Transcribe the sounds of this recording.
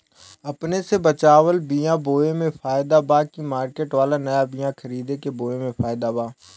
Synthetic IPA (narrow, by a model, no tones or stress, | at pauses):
ɐpnesebət͡ʃaːʋəlbijãboːemẽfʰaːjɪd̪abaːkimaːɾkeːʈʋaːlanəjabɪjãkʰəɾiːd̪ekeboːemẽpʰaːɪd̪abaː